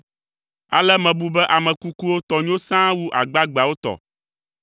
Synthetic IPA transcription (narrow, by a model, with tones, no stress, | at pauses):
a̰˨lɛ˦mɛ̃˨bu˦bɛ˦ʔa˨mɛ̃˨ku˦ku˦wo˦t̪ɔ˨ɲ˦õ˦sã˦wu˦ʔa̰˨ɡ͡ba˦ɡ͡ba˨wo˦t̪ɔ̰˨